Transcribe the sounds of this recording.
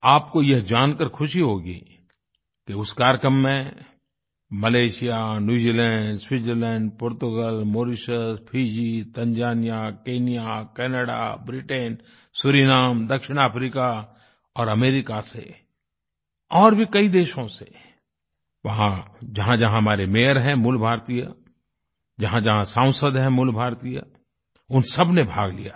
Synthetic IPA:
aːpkojɐɦd͡ʒaːnkəɾkʰʊʃiɦoːɡḭː | keʊskaːɾjəkɾəmːẽ | mɐleːʃijanjuːd͡ʒiːlɛ̃ːɳɖswɪzəɾlɛ̃ːɳɖpoːɾt̪ʊɡəlmoːɾɪʃəspʰiːd͡ʒit̪ɐ̃nd͡ʒaːnijakeːnijakɛːnəɽa̰bɾiʈeːn | sʊɾiːnaːmd̪ɐkʃɪɽ̃aːpɾiːka | ɔːɾɐmeːɾɪkasḛ | ɔːɾbʱikɐid̪eːʃõse | ʋɐɦãd͡ʒɐɦãd͡ʒɐɦãɦmaːɾemeːɦəɾɦɛ̃mʊlbʱaːɾt̪ija | d͡ʒɐɦãd͡ʒɐɦãsãːʊ̃səd̪ɦɛ̃mʊlbʱaːɾt̪ija | ʊnsɐbnebʱaːɡlḭja̰ː

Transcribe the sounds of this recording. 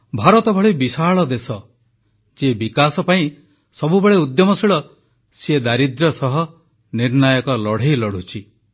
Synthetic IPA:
bʱaɾɔt̪ɔbʱɔɭibisaɭɔd̪esɔ | d͡ʒebikasɔpaĩ | sɔbubeɭeud̪jɔmɔsiɭɔ | sied̪aɾid̪ɾɔsɔɦɔ | niɾnajɔkɔlɔɽ̤ejlɔɽ̤ut͡ʃʰi

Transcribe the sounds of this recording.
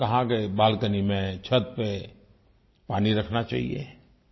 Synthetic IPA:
kɐɦãkebaːlkənimẽt͡ʃʰət̪̚pe | paːniɾəkʰnat͡ʃa̰ːɦḭḛ

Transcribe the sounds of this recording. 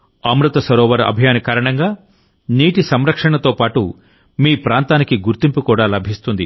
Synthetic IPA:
ɐmɾut̪ɐsɐɾɔːʋɐɾɐ̰bʱjaːnikaːɾɐɳɐŋɡaː | niːʈisɐmɾɐkʂɐɳɐt̪o̞ːpaːʈṵ | miːpɾaːnt̪aːnikiɡuɾt̪impukuːɽaːlɐbʱist̪und̪i

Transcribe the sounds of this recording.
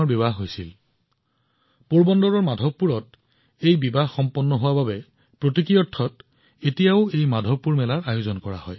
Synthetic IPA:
ɔbibaɦɦojsil | puɹbɔndɔɹɔɹmadʱɔbːuɹɔt̚ | ejbibaɦxɔmpɔnːɔɦʊwababɛ | pɹotikɹijɔtʰːɔt | etijaʊejmadʱɔpːuɹmɛlaɹajozɔnkɔɹa̰hɔj

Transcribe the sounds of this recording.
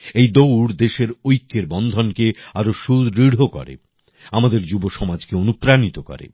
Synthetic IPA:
ejd̪owɽd̪eʃeɾojkːeɾbɔnd̪ʱonkeaɾoʃud̪ɾiɽ̤ʱokɔ̰ɾḛ | amad̪eɾd͡ʑuboʃɔmad͡ʑkeonupɾanit̪okɔ̰ɾḛ

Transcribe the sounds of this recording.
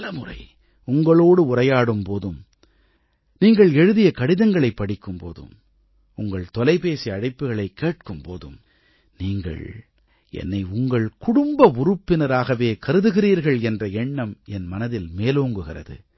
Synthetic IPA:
lɐmɯrɐ̰ɪ | ʊŋɡɐɭoːɽɯʊrɐjaːɽɯmpoːðɯm | niːŋɡɐɭɛɻɯðɪjɐkɐɽɪðɐŋɡɐɭɐɪpːɐɽɪkːɯmpo̰ːðɯ̰m | ʊŋɡɐɭt̪ɔlɐɪpeːsiɐɽɐɪpːɯɣɐɭɐɪkːeːʈ̚kɯmpo̰ːðɯ̰m | niːŋɡɐ̰ɭ | ɛ̰nːɐɪʊŋɡɐɭkʊɽʊmbɐʊɾɯpːɪnɐɾaːɣɐʋeːkɐɾɯðɯɣɪriːɾɣɐɭɛndrɐɛɳːɐmɛnmɐnɐðɪlmeːloːŋɡɯɣɪrɐ̰ðɯ̰

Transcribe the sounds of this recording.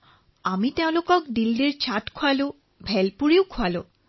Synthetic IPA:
amit̪ẽʊ̃lokɔkd̪ildeɾt͡ɕaʈkʰoalo | bʱɛlpuɾiwkʰoalo

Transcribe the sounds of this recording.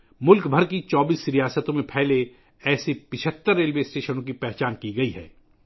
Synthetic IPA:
mʊlkbʱɐɾkit͡ʃɔːbiːsɾijaːsət̪õmẽpʰɛɦle | ɛːsepɪt͡ʃʰət̪ːəɾːeːlʋeːsʈeːʃənõkipɛɦt͡ʃaːnkiɡɐiɦɛ̰ː

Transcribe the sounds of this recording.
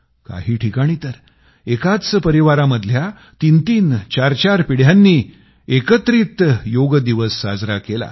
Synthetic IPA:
ka̰ɦiːʈʰikaɽ̃iːt̪əɾ | ekat͡spəɾiʋaɾaməd̪ʱlja | t̪int̪iːnt͡ɕaɾt͡ɕaɾpiɽ̤janːiː | ekət̪ɾit̪joɡd̪iʋəsːa̰d͡zɾakela̰

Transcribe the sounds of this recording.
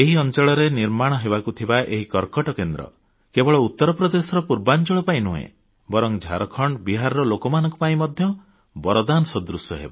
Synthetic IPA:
eɦiɔnt͡ʃɔɭɔɾeniɾmaɽ̃ɔɦebakut̪ʰibaʔeɦikɔɾkɔʈɔkend̪ɾɔ̰ | kebɔɭɔut̪ːɔɾɔpɾɔd̪esɔɾɔpuɾbant͡ʃɔɭɔpaĩnuɦḛ̃ | bɔɾɔŋd͡ʒʱa̰ɾɔkʰɔɳɖbiɦaɾɔɾɔlokɔmanɔ̃ŋku̥paĩmɔd̪ʱjɔ | bɔɾɔd̪anɔsɔd̪ɾusɔɦḛba

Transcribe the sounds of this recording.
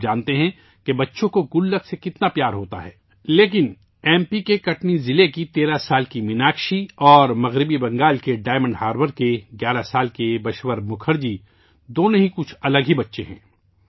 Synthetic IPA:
d͡ʒãːnt̪eɦɛ̃ | kebɐtːʃõkoɡʊlːəksekɪt̪napjaːɾɦoːt̪a̰ɦɛː | leːk̬ɪn | ɛːmpikekɐʈnizɪlekit̪eːɾasaːlkimɪnaːkʃiɔːɾmɐɣɾɪbibɐ̃ŋɡaːlkeɖaːɪmə̃ɳɖɦaːɾʋəɾkeɡjaːɾasaːlkebɐʃwəɾmʊkʰəɾd͡ʒi | d̪oːnõɦikʊt͡ʃʰɐləɡɦibɐtːʃeɦɛ̰̃ː

